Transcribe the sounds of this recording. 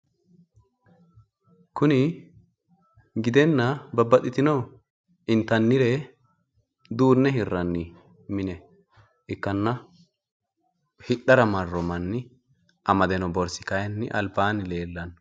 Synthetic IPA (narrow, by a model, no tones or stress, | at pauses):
kʊnɪ | ɡɪd̪ɛnːɐbɐbːɐt̪ːɪt̪ɪnɔw | ɪnt̪ɐnːɪɾɛ | d̪uːnːɛɦɪrːɐnːi | mɪnɛ | ʔɪkːɐnːɐ | hɪɗɐɾɐmɐrːɔmɐnːɪ | ʔɐmɐd̪ɛnɔbɔɾsɪkɐjɐnːɪʔɐlbaːnɪle̞ːlːɐn